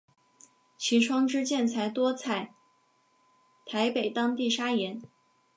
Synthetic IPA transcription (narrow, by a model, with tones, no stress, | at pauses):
t͡ɕʰi˧˥ʈ͡ʂʰwɑ˥ŋʈ͡ʂɻ̩˥t͡ɕjɛ˥˩nt͡sʰa˧˥ɪt̪wɔ˥t͡sʰa˥˩ɪ | t̪ʰa˧˥ɪpe˨˩ɪt̪ɑ˥ŋt̪i˥˩ʂa˥jɛ˧˥n